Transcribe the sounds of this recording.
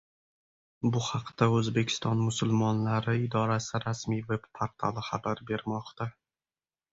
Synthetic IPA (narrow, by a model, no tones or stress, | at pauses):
bʊhɑqd̪̥aɵzbe̞kʲʰɪ̥st̪ɒnmʊsʊlˠmɒnlaɾɪɪd̪ɒɾasɪɾasmijve̞bpʰoɾt̪ʰalˠɪχabaɾbe̞ɾmɒqt̪ʰa